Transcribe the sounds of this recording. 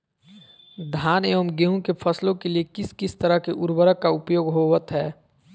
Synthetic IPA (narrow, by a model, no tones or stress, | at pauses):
d̪ʱaːneːʋəmɡeɦũkepʰəslõkeliekɪskɪst̪əɾəɦkeʔʊɾbəɾəkːaʊpjoːɡɦoːʋət̪ɦɛː